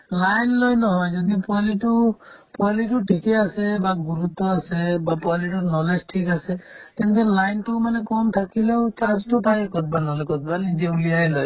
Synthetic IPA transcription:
lajnlɔjnɔɦɔjd͡ʒɔd̪ipɔaliʈupɔaliʈuʈʰikeasebaɡuɾut̪ɔasebapɔaliʈɔnɔlesʈʰikaset̪ɛnt̪elajnʈumanekɔmt̪ʰakilewt͡ʃaɾd͡ʒʈɔpajekɔt̪̚banɔlekɔt̪̚banid͡ʒeulijajlɔj

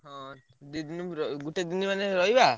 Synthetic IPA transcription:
ɦɔ̃ | d̪id̪inuɾɔɡuʈed̪inimaneɾɔɦjba

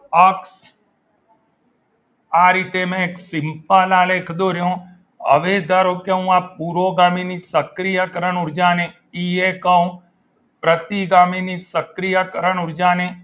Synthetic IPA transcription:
əks | aːɾiːt̪emɛ̃eːksɪmpalãːleːkʰd̪oːɾɪjõː | ə̰ʋed̪aɾokeũaːpuːɾoːɡaːminisəkɾijakəɾənʊɾd͡ʒaːnẽ | iːekaũ | pɾət̪iɡaːminisəkɾijakəɾənʊɾd͡ʒaːnẽ

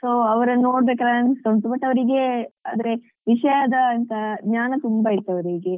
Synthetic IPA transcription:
soːɐʋɐɾɐnoːɽbeːkaːɾanist̪ɐnt̪ubɐʈːɐʋɐɾiɡeaːd̪ɐɾe | ʋiʂɐjad̪ɐːnt̪ɐɡɲaːnɐt̪umbaiɾt̪ːuɐʋɐɾiɡe

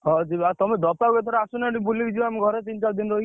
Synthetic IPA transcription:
ɦɔd͡ʒibat̪ɔmed̪ɔpauet̪ʰɔɾasunaʈibulikd͡ʒiameɡʱɔɾet͡ʃint͡ʃad̪inɾɔɦi

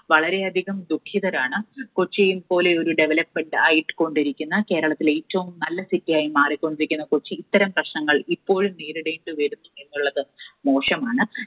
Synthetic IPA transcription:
ʋɐɭɐɾe̞ɐd̪ʱiɣɐmd̪ukʰːiðɐɾaːɳɨkot͡ɕːijumpo̞ːle̞o̞ɾuɖe̞ʋelɐpmeɳɖɨɐjʈːɨ̥ko̞ɳɖiɾikʲːunːɐke̞ːɾɐɭɐt̪ːile̞ːtːɐʋumnɐlːɐsitːijaːjimaːrikʲːo̞ɳɖiɾikʲːunːɐkot͡ɕːiːt̪ːɐɾɐmprɐɕɳɐŋːɐɭipːo̞ːɻumniːɾɨɽejiɳɖɨʋeɾunːɐe̞nːuɭːɐðɨmo̞ːʂɐmaːɳɨ

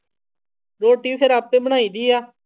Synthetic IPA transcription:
ɾoːʈiːseɾaːp̚t̪ẽːbəɽ̃aːiːd̪iːaː

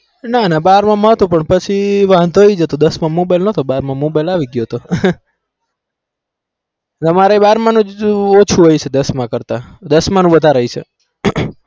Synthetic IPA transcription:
nanabaɾmãmət̪õpəɳpət͡ʃʰiʋãnd̪ʱoid͡ʒət̪od̪əsmãmobajlnət̪obaɾmãmobajlaʋiɡjot̪o | t̪əmaɾebaɾmãnũot͡ʃʰũɦojt͡ʃʰed̪əsmãkəɾt̪ad̪əsmanũʋəd̪ʱaɾəit͡ʃʰḛ

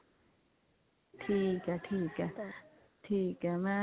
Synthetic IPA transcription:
t̪ʰikat̪ʰiːka | t̪ʰikama

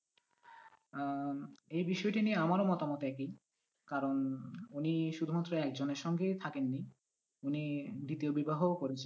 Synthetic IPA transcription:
ejbiʃɔeʈinieamaɾomɔt̪amɔt̪ɛki | kaɾonuniʃud̪ʱumat̪ːɾoɛkd͡ʑoneɾʃɔŋɡet̪ʰakenːi | unid̪it̪iobibaɦokoɾet͡ɕʰen

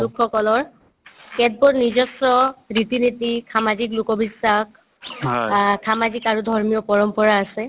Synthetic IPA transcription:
lukʰxɔkɔlɔɹ | kɛt̚bɔɹnizɔsɔɹitinitisamazik̬lukɔbisax | kamazikaɹudʱɔɹmijɔpɔɹɔmpɔɹaːsɛ

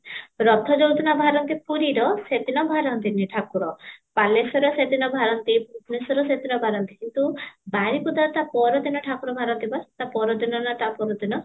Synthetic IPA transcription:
ɾɔt̪ʰɔd͡ʒowt̪inabʱaɾɔnt̪ipuɾiɾɔset̪inɔbʱaɾɔnt̪iniʈʰakuɾɔpalesɔɾɔset̪inɔbʱaɾɔnt̪iputnesɔɾɔset̪inɔbʱaɾɔnt̪i̥kint̪ubaɾikud̪at̪apɔɾɔd̪inɔʈʰakuɾɔbʱaɾɔnt̪ibaɾt̪apɔɾɔd̪inɔnat̪apɔɾɔd̪inɔ

